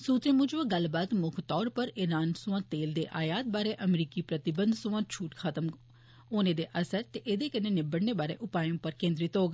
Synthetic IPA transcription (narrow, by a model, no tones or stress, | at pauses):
suːt͡ʃ̪ẽːmʊd͡ʒʋãːɡəlbaːt̪mʊkʰt̪ɔːɾpəɾɪɾaːnsʊʋãːt̪eːld̪eːʔaːjaːt̪̚baːɾeːʔəmɾiːkiːpɾət̪ɪbənd̪sʊãːt͡ʃʰuːʈkʰat̪əm | oːneːd̪eːʔəsəɾt̪eːʔed̪eːkəneːnɪbəɽneːbaːɾḛːʔʊpaːjõːpəɾkẽːnd̪ɾɪt̪ɦoːɡ